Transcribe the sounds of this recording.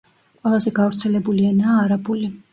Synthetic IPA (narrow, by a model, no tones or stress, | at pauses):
qʼwɛlˠazɛɡavɾt̪sʰɛlɛbulianaːɾabuli